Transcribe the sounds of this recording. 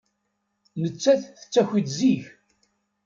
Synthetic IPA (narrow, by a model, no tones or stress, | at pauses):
nət͡sːæθθə̥t͡sːæçʷid̪ziç